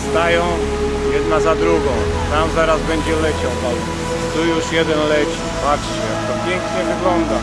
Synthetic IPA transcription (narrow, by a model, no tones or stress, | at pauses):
st̪ajɔ̃w̃ | jɛd̪nazad̪ɾuɡɔ̃w̃ | t̪amzaɾazbɛɲd͡ʑɛlɛt͡ɕɔ̃d̪aw | t̪ujuʂjɛd̪ɛnlɛt͡ɕibat͡ʂɕɛt̪ɔpʲjɛŋkɲɛvɘɡlɔnd̪a